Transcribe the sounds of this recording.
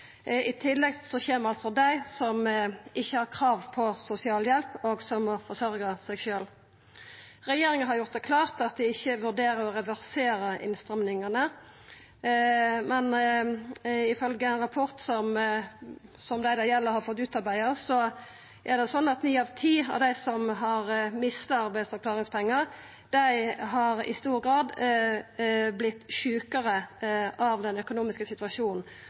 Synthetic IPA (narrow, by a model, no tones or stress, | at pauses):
ɪt̪ʰɪlːɛɡsɔçeːməɾɑlsɔd̪æɪsɔmʔɪçːəhɑɾkʰʁɑːʋpʰɔsʊsɪɑːljɛlpoːɡsɔmɔfɔɾsœɾɡəsɛɪɡʃøːl | ɾɛjeːɾɪŋəɦɑɾjʊɾt̪̚d̪ɛkʰlɑːʁt̪ɑt̪̚d̪ɪɪçːəʋʉʁd̪eːɾəɾɔɾɛʋæʁseːɾəʔɪ̰nst̪ʁɛmnɪŋənə | mɛn | ɪfœlɡəænʁɑpʰɔɾt̪sɔm | sɔmd̪æɪd̪ɑjɛlːəɾhɑɾfɔt̪ːʉːt̪ɑɾbæɪəsɔ | ʔæʁd̪ɛsɔnːɑt̪nyːɑʋt̪ʰiːɑ̰ʋd̪æɪsɔmɦɑɾmɪst̪ɑɑɾbæɪsɛɾklɑːʁɪŋspʰɛŋːəʁ | d̪̥æɪɦɑɾɪ̰st̪uːɾɡɾɑːd̪ | blɪt̪ːʃʉːkəɾəɑʋd̪ɛnœkʊnuːmɪskəsɪt̪ʉʋɑʂuːnn̩